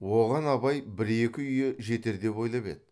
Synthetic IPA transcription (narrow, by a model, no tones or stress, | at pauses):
wo̞ʁɑnɑbɑjbɪɾe̞kʲɪʏjeʒe̞t̪e̞ɾd̪e̞po̞jlˠɑpḛd̪